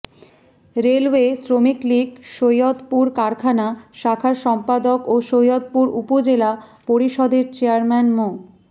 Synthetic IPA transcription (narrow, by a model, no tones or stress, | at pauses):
ɾelwesɾomikliɡʃojot̪puɾkaɾkʰanaʃakʰaɾʃɔmpad̪okoʃojot̪̚puɾṵpod͡ʑelapoɾiʃɔd̪eɾt͡ɕeaɾmɛnmo